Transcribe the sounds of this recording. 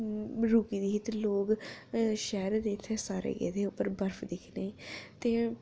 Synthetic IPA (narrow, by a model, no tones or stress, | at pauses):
ɾuːkiːd̪iːɦɪt̪loːɡ | ʃɛːɾd̪eːɪt̪ʰːesaːɾḛːɡḛd̪eːʊpːəɾbəɾfʰd̪ɪkʰneːt̪eː